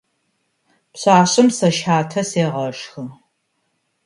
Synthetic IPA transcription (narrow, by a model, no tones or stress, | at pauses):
pɕaːɕʼɪmsɐʃħaːtʰɐseːʁɐʂxɨ